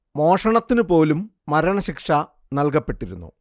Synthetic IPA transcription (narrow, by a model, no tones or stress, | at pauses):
mo̞ːʂɐɳɐt̪ːinupo̞ːlumːɐɾɐɳɐɕikʂɐ | nɐlkɐpːe̞ʈːiɾṵnːṵ